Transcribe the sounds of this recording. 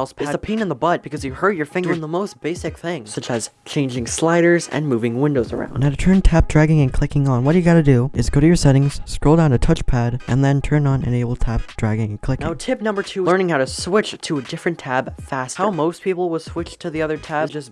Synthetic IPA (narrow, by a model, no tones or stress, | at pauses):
lˠz̥pʰæəpʰĩnɨ̃nðəbʌt̚b̥ɨkʰʌzjɨhɜ˞d͡ʒjə˞fɪ̃ŋɡə̃nðəmoʊsb̥eɪsɨk̚θɪ̃ŋsʌt͡ʃɨz̥t͡ʃʰẽɪ̃nd͡ʒɪ̃ŋslaɪɾə˞zɨ̰̃nmuvɪ̃ŋwɪ̃ndoʊzə̰˞ã̰ʊ̃naʊɾɨtʰɜ̃˞ntʰæp̚d̥ɹæɡɪ̃ŋɨ̃nkʰl̥ɪkɪ̃ŋə̃nwʌtəjɨɡɑɾɨdɨɨzɡ̥oʊɾɨjə˞sɛɾɪ̃ŋz̥skɹoʊlˠdãʊ̃nɨtʰʌt͡ʃpʰæɾʔɨ̃nðɨ̃ntʰɜ̃˞nə̃nɨ̰̃neɪbl̩ˠtʰæp̚d̥ɹæɡɪ̃ŋɨ̃n̩kʰl̥ɪknãaʊtʰɪp̚nʌ̃mbə˞tʰʉlɜ˞nɪ̃ŋhaʊɾɨswɪt͡ʃtʰɨɨdɪfɹɨ̃ntʰæb̥fæshaʊmoʊspʰipl̩ˠwəd̥swɪt͡ʃtʰɨðiʌðə˞tʰæd͡ʒʌs